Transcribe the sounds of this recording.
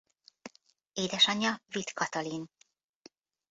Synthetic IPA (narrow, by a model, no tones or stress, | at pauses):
eːd̪ɛʃɒɲːɒvit̪kɒt̪ɒlin